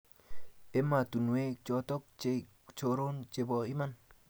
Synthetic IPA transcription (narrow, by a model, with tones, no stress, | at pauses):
e˦ma˨t̪u˨nwe˦t͡ʃo˧t̪o˦k̚t͡ʃe˧ | t͡ʃo˧ɾo˦nt͡ʃe˧bo˧i˦ma˦n